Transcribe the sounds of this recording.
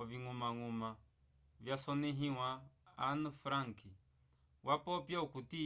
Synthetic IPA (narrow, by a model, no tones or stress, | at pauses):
ɔviŋumaŋuma | vjasɔnɛɦĩwa̰ːnufɾaŋki | wapɔpjaukuti